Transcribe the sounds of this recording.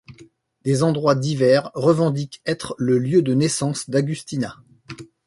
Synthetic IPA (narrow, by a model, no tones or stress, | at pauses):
d̪ezɑ̃d̪ʁwad̪ivɛʁːəvɑ̃d̪ikɛt̪χləljød̪ənɛsɑ̃sd̪aɡʲyst̪ina